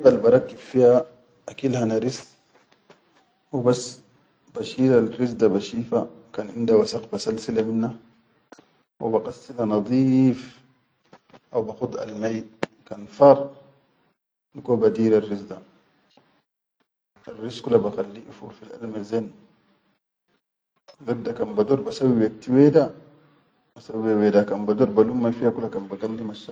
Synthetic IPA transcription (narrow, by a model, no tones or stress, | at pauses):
balbɑɾˤɑkːibfiha | ʔakiːlhanaɾis | wibasː | baʃiːɾalrizd̪abaʃiːfakaːnʔind̪awasaqbasalsilaminːa | wḭbaqasːilhanɑd̪ˤiːf | ʔawbaqud̪ˤa̰lmajkaːnfɑɾˤ | nikobad̪iːɾarːisd̪a | arːiskulːabaxalːiʔfuɾfilʔa̰lmazen | ɡad̪akanbad̪oːɾbasawiwek̚t̪iwed̪a | basabewedakanbad̪oɾbalumːafihakulːakanbaɡamlimaʃa